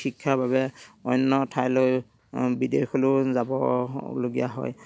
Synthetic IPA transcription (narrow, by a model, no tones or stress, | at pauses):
xikʰːaɹbabɛɔjnːɔtʰajloj | bidejxʰɔlʊzabɔ̰loɡija̰ɦɔ̰j